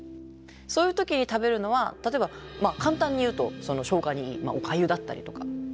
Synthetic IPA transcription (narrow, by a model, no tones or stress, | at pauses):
so̞ːjɯ̟ːt̪o̞kʲiɲ̟it̪abe̞ɾɯ̟no̞β̞at̪at̪o̞e̞bamakãnt̪ãɲ̟ːijɯ̟ːt̪o̞so̞no̞ɕo̞ːɡaɲ̟iiːma̰okajɯ̟d̪at̪ːa̰ɾʲḭt̪o̞ka̰